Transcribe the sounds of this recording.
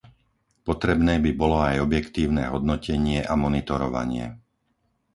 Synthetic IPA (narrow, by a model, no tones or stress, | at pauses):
pɔt̪ɾɛbnɛːbibɔlɔajɔbjɛkt̪iːʊnɛːɦɔd̪nɔcɛɲɪɛʔamɔnit̪ɔɾɔʋa̰ɲɪɛ̰